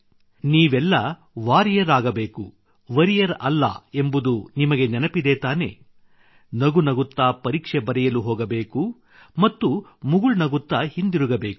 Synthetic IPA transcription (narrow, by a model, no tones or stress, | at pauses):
niːʋɛlːɐ | ʋaːɾijɐɾaːɡɐbe̞ːku | ʋɐɾijɐɾʔɐlːɐ̰e̞mbud̪unimɐɡe̞nɛnɐpid̪et̪aːne̞̰ | nɐɡunɐɡut̪ːaːpɐɾiːkʂebɐɾɛjɐluɦɔːɡɐbe̞ːku | mɐt̪ːumuɡuɭnɐɡut̪ːɐhind̪iɾuɡɐbe̞ːku̥